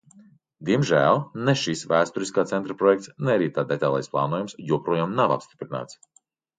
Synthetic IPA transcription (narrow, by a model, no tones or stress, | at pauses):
d̪iɛmʒæːlˠnɛʃisvæːst̪ɔɾiskaːt̪sɛnt̪ɾapɾɔjɛk̚t̪snɛaɾiːt̪aːd̪et̪ajlˠa̰jsplˠɑ̰ːnuɔjumsjuɔpɾuɔjaːmnava̰pst̪i̥pɾina̰ːt̪s